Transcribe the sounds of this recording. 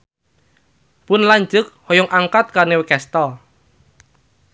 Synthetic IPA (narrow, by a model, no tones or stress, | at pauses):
pʊnlaɲd͡ʒʊk̚hɔjɔŋʔaŋkat̪̚karnewekɛst̪ɔl